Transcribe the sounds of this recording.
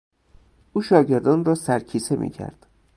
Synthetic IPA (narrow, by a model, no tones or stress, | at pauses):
ʔuːʃɒːɟe̞ɾd̪ɒːnrɒːsæɾcʰiːse̞mʔḭːcʰæ̰ɾd̪̥